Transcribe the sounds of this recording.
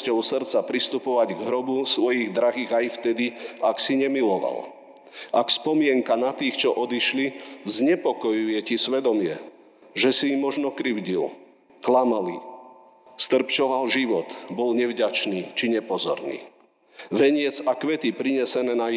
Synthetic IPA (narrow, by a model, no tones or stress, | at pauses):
cɔʊsr̩t͡sapɾist̪upɔʋaɟɡɦɾɔbusʋɔjiɣd̪ɾaɦiːɣajft̪ɛd̪iaksiɲɛmilɔʋa̰l | akspɔmɪɛŋkanat̪iːxt͡ʃɔʔɔd̪iʃlizɲɛpɔkɔjujɛcisʋɛd̪ɔmɪɛ | ʒɛsimːɔʒnɔkɾiʊɟḭl | klamalḭ | st̪r̩pt͡ʃɔʋalʒiʋɔt̪bɔlɲɛvɟat͡ʃniːt͡ʃiɲɛpɔzɔ̰ɾnḭː | ʋɛɲɪɛd͡zakʋɛt̪ipɾiɲɛsɛnɛːna